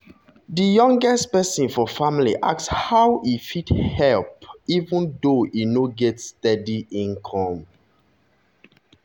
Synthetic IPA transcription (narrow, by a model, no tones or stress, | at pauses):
dəjɔ̃ŋɡɛstpɛsɔ̃nfɔfamliʔa̰kshawʔifithɛlpivũndoʔinoɡɛtstɛdiʔĩnkʰɔ̃m